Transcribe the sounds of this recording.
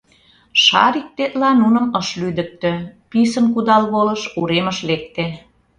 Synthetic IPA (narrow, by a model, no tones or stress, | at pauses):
ʃɑ̰ɾik̚t̪et̪lɑnunə̆məʃlyd̪ə̆k̚t̪ø̆pisənkud̪ɑlβolə̆ʃuɾeməʃlek̚t̪e